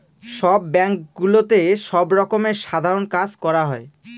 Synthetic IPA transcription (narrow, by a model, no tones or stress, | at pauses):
ʃɔbːɛŋkɡulot̪eʃɔbɾɔkomeɾʃad̪ʱaɾonkad͡ʑkɔɾaɦɔe